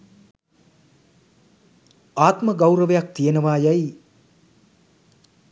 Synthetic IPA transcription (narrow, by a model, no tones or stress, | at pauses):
aːt̪məɡawɾəʋejak̚t̪ijenəʋaːjaj